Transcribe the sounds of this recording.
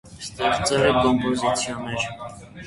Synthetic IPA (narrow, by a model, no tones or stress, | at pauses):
st̪ɛχt͡sɛlɛkɔmpɔzit͡sʰjɑnːɛɾ